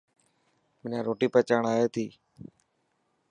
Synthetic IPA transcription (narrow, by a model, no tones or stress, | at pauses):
mɪnãːɾoːʈiːpət͡ʃaːɳaːjeːt̪iː